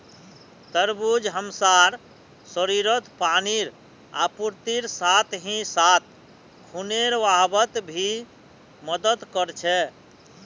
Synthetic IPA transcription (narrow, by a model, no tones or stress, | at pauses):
t̪əɾbud͡ʒɦəmsaɾ | səɾiɾət̪paniɾ | a̰puɾt̪iɾsat̪ʰɦĩsat̪̚ʰ | kʰuneɾʋaɦbət̪bʱi | məd̪əd̪kəɾt͡ʃʰɛ